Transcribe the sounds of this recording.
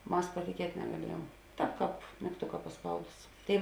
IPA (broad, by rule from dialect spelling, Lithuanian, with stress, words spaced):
ˈmɐs pɐtʲɪˈkʲiɛtʲ nʲɛɡɐˈlʲiɛjuɔm ˈtɑːp kɑːp mʲɪkˈtʊkɐ pɐˈspɐʊdʊs ˈtʲeːɪ